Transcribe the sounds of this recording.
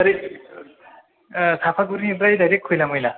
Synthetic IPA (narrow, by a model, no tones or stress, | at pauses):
ʌɾe | sʰapʰaɡuɾniɾʌjd̪ʌɾekʰːojlamʌjla